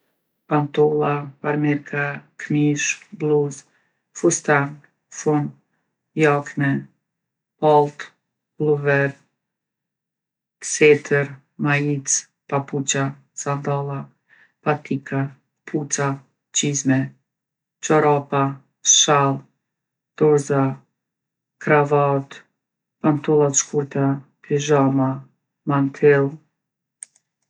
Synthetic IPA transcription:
pant̪ɔlˠapaɾmɛɾkʰakmiʃbluz | fust̪an | fun | jakmɛ | palˠt̪ | bluvɛɾ | sɛt̪ʰəɾ | mait͡s | paput͡ʃa | sand̪alˠa | pat̪ʰikʰa | pʰut͡sa | t͡ʃizmɛ | t͡ʃɔɾapa | ʃalˠ | d̪̥ɔɾza | kɾavat̪ | pant̪ulˠat͡ʃkʰuɾt̪apʰiʒama | mant̪ʰɛlˠ

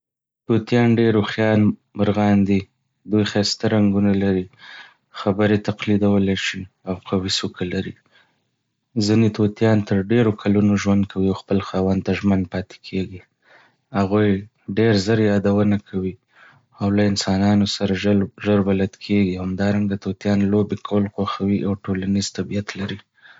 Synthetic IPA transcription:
t̪ot̪jɑnɖeɾoxjɑnɾɣɑnd̪i | d̪ujxast̪aɾaŋɡunalaɾi | xabəɾet̪aqlid̪awəlaʃi | awqʰawisukʰalaɾi | zinet̪ot̪jɑnt̪əɾɖeɾokʰalunoʒwand̪̚kʰawiawxpəlxɑwand̪̚t̪aʒmand̪̚pɑt̪e̥kʰeɡi | haɣuj | ɖeɾzəɾjɑd̪awənakʰawi | awlaɪnsɑnɑnosaɾaʒəɾbalad̪kʰeɡihamd̪ɑɾaŋɡat̪ot̪jɑnlobekʰawəlxwaxawiʔawʈolaniz̥t̪abijat̪laɾi

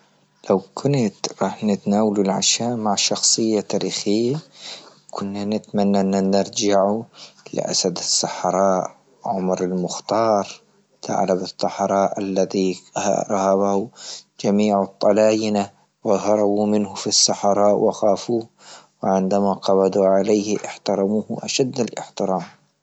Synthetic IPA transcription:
lawkʰʊnt̪ɾˤɑːħnɪt̪naːwalulʕa̰ʃaːʔmaʕʃɑxsˤɨjːat̪aːɾiːxɪjːa | kʰʊnːanɪt̪manːaʔnːanɪɾˤd͡ʒaʕulɪ̰ʔa̰sad̪ɪsːɑħɾˤɑːʔ | ʕʊmɾɪlmʊxt̪ɑːɾˤ | t̪ʰa̰ʕlabɨt̪ˤːɑħɾˤɑːʔalːaðiha̰ɾˤɑhaβahʊd͡ʒamiːʕɨt̪ˤːɑlaːjɪna | wɪɦɑɾˤɑbumɪnhʊfisːaħɑɾˤɑːʔwɪxaːfuː | wɪʕɪnd̪amaqɑbɑd̪uʕalejhʔɪ̰ħt̪ɑɾˤɑmuːhʔaʃad̪ːalʔɪ̰ħt̪ɪɾɑːm

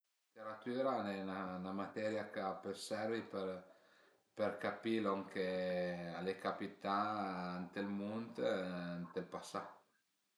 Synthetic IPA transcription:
it̪eɾat̪yɾanɛnanamat̪ɛɾjakapøsɛrvipeɾ | perkapiloŋkealekapit̪ant̪elmunt̪ant̪elpasa

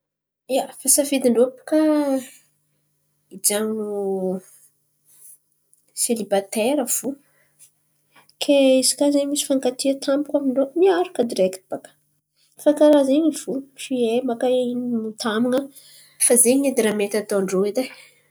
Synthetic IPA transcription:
iafasafid̪iɳɖ͡ʐopu̥ka | id͡ʒaŋu | selibat̪eɾəv̥u | kʰeizi̥kʲazemisi̥faŋkat̪iət̪ʰambikʲʷamiɳɖ͡ʐomiaɾukəd̪iɾekt̪bakə̥ | fakaɾazeɲiv̥ufiemakaininut̪amuŋə | fazeɲed̪iɾamet̪at̪oɳɖ͡ʐoed̪e

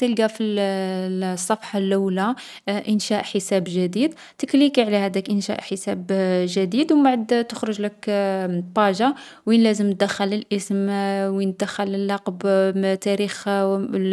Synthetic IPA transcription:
t̪əlɡæfi | sˤːɑfħɑlʔæwla | ʔənʃæʔħəsæbʒəd̪id̪ | t̪əklikiʕlæhæd̪ækʔənʃæ̰ʔħəsæbʒəd̪id̪wbaʕd̪t̪əxɾəʒləkbɑʒa | winlæzəmt̪̚d̪əxːələlʔəsmwin̚d̪əxːələlːɑqbt̪æɾix

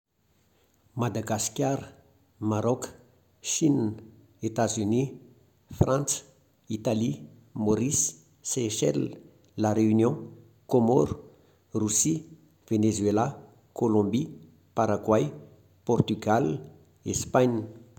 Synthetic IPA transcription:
mad̪aɡaskʲjaɾə | maɾɔkə̥ | ʃinn | et̪azyni | frãnt͡sə̥ | it̪ali | moɾisː | eʃɛl | laɾeynjɔ̃ | komɔɾu̥ | rusi | v̥enezwela | kolɔ̃mbi | paɾaɡwaj | pɔrt̪yɡal | espaɲ

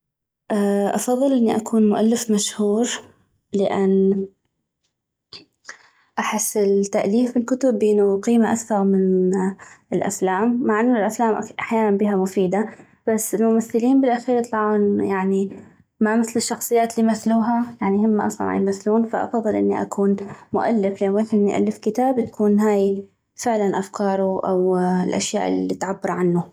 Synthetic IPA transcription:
ʔaʔɑfɑðˤːɨlʔɪnːiʔakʰuːnmʊʔalːɪfmaʃhuːɾ | lɪʔanː | ʔaħɪsːɪlt̪ːaʔliːfbɪlkʊt̪ʊbːʔɪnːʊqiːmaʔakθɑɾˤmɪn | ɪlʔa̰flaːmːaʕʔɪnːʊlʔaflaːmʔaʔaħjaːnanbiːɦamʊfiːd̪a | b̥asːɪlmʊmaθːɪliːnbɪlʔaxiːɾjt̪ˤlɑʕuːnjaʕni | mamɪθlɪʃːɑxsˤɨjːaːt̪limaθluːɦajaʕnihɪmːaʔɑsˤlɑ̰nʕa̰jmaθːluːnfaʔɑ̰fɑðˤːɨlʔɪnːiʔa̰kʰuːnmʊʔa̰lːɪflanwaħɪnːɪʔa̰lːɪfkɪt̪aːbt̪ḁkuːnɦaːj | fɪʕlanʔafkɑːɾˤuʔa̰wɪlʔa̰ʃja̰ːʔɪlːit̪ʕabːɑɾˤʕanːu

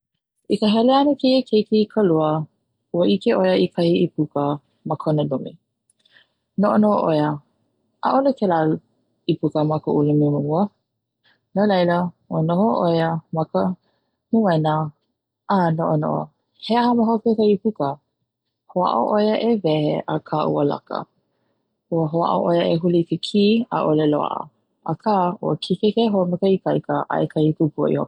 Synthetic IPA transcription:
ʔikəɦɛleɐnəkʰejekʰekeikʰəluə | uəʔikeʔojəikʰɐhiipukə | məkʰonəlumḭ | noʔonoʔoʔojə | ʔa̰ʔolokʰɛla | ipukəmɐkəʔulumiməuə | nəlɐjlə | onohoʔojəmɐkə | muɛnə | ʔanoʔono̰ʔo | heəhɐməɦopekɐipukə | hoa̰ʔo̰ʔojəʔevɛheʔəkʰaʔṵəla̰kə̰ | uəɦoa̰ʔo̰ʔojəʔeɦulikekʰiːa̰ʔolelo̰a̰ʔə̰ | əkʰaːuəkʰikekeɦomekəikaikəʔa̰ʔekʰaipupuə̰ʔḭho

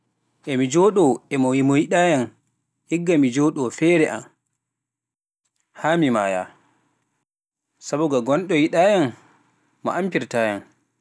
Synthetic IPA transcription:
ʔɛmid͡ʒɔːɗɔɛmɔmɔjiɗajan | hiɡːamid͡ʒɔɗɔfɛːɾɛʔa̰m | haːmima̰ːja̰ | sabuɡaɡɔnɗɔjiɗaːjanː | ɔ̰ʔampiɾtaːjan

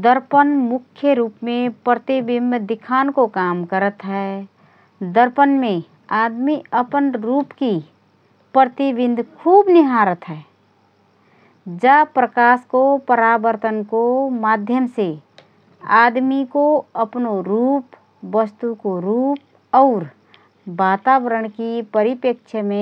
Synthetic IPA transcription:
d̪əɾpənmʊkʰjəɾuːpmẽpɾət̪ibɪnd̪d̪ɪkʰaːnkokaːmkəɾət̪ɦɛ | d̪əɾpənmẽ | aːd̪miəpənɾuːpki | pɾɾt̪ibɪ̃nd̪ʱkʰuːbnɪɦaɾət̪ɦɛ | d͡ʒəpɾəkaːskopəɾaːbəɾt̪ənkomaːd̪ʱjəmse | aːd̪mikoəpnoɾuːp | ʋəst̪ukoɾuːp̚ | ɔːɾ | baːt̪aːbəɾəɽ̃kipəɾɪpəkt͡ʃʰəmẽ

